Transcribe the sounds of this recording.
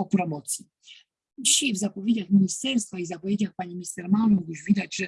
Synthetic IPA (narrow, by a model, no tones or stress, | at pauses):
ɔpɾɔmɔt̪sʲji | d͡ʑiɕajvzapɔvʲjed͡ʑaxmʲiɲist̪ɛɾst̪faizapɔvʲjed͡ʑaxpaɲimʲist̪ɛɾmanumuɡwuʐvʲid̪ad͡ʑʐɛ